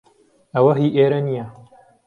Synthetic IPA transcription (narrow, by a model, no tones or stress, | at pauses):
ɐwɐɦiːʔeːɾɐnijɐ